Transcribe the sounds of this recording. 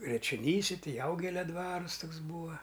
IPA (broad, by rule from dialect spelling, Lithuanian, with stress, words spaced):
jɛt͡ʃʲoːˈnʲiːsʲɛ ˈtɐɪ ˈjɛʊɡʲɛlʲɛ ˈdʋɑːrʊs ˈtoːks ˈbuːʋɐ